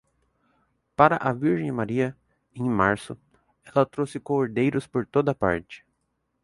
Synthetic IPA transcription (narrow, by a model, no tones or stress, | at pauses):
paɾɐʔɐviɾʒẽj̃maɾiɐ | ẽj̃maɾsʊ | ɛlɐt̪ɾowsɪkoɾd̪ejɾʊspoɾt̪od̪ɐpa̰ɾt͡ʃɪ̥